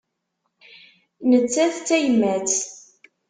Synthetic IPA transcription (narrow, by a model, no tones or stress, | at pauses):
nət͡sːæθt͡sːæjmæt͡s